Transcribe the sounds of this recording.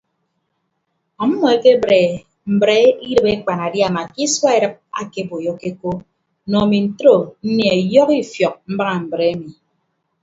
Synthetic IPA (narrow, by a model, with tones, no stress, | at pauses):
ɔ˨m̩˦mɔ˨e˦ke˦bɾe˨ | m̩˨bɾe˦i˦ɾɨ˨pe˦k͡pa˨na˨dja˨ma˨ki˦swa˦e˨ɾɨ˦p̚a̰˨ke˦bo˨jɔ˦ke˦ko˦ | nɔ˨mi˨n̩˨tɾo˨n̩˦nje˨e˨jɔ˦ki˦fjɔ˨k̚m̩˦ba˦ŋa˨m̩˨bɾe˨˦mi˨